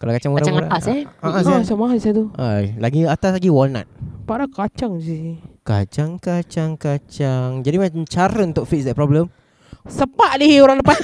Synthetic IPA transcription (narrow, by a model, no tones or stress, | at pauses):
kalakat͡ʃaŋuɾaaɾaasaaʔasasamaɦasat̪uʔalaɡiat̪alaɡiwɔlna̰t̪̚paʔɾakat͡ʃaŋd͡ʒika̰t͡ʃaŋkat͡ʃaŋkat͡ʃaŋd͡ʒadimamt͡ʃaɾəunt̪ʊʔ̚fit̚sdɛpɾɔbləm | səpaʔdioɾaŋləpas